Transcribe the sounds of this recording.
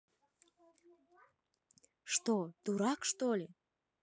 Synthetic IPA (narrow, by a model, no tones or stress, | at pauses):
ʃt̪ot̪uɾɑkʃt̪olʲe